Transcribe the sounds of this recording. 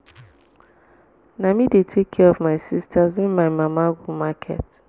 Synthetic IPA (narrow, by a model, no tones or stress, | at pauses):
namidetʰekʰːɛɔvmaɪsistʰazɪ̃nmaɪmamaɡumakʰɛ̰t